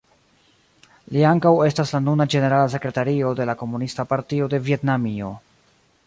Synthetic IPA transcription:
liaŋkawe̞staslanunad͡ʒe̞ne̞ɾalas̬e̞kɾe̞taɾio̞de̞lako̞munistapaɾtio̞de̞vie̞tnamio̞

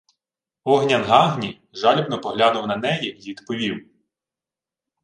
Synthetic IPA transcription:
ɔɦnʲɐnɦɑɦnʲi | ʒɑlʲɔbnɔpɔɦlʲanʊwnɐnɛjiʋʲid̪pɔʋʲiw

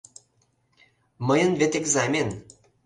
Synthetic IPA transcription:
məjənvet̪ekzamʲen

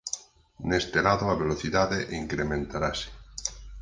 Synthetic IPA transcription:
nest̪elaðoaβeloθiðaðeʔiŋkɾemẽnt̪aɾase̥

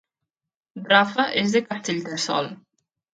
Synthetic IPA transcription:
d̪ɾafaʔezðekast̪eʎd̪elsɔ̰l

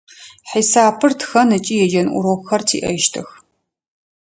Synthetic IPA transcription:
ħiːsaːpʰɨrtʰxɐnɨt͡ʃʼiːjɛd͡ʒɐnʔʷʊ̰ɾoxɐrtʰḭːʔɐ̰jʃtʰɨ̰x

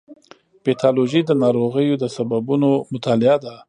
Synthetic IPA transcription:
pet̪ʰɑloʒid̪ənɑɾoɣəjod̪əsababunomʊt̪ɑlɪad̪a

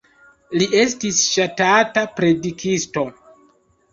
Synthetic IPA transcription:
liʔe̞stisʃatatapɾe̞dikʰisto̞

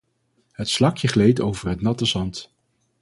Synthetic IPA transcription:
ɦətslɑkjəχlejtowvərɦətnɑtəzɑnt

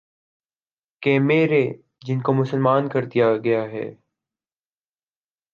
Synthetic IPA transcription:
keːmeːɾe | d͡ʒɪnkomʊsəlmaːnkɐɾd̪ijaɡɐjaɦɛ̰ː

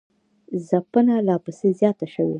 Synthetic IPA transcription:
zapənalɑpəsezjɑt̪aʃəwe

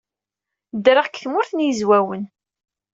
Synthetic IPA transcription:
d̪ɾaʁkθmʊɾθnjəzwæwən

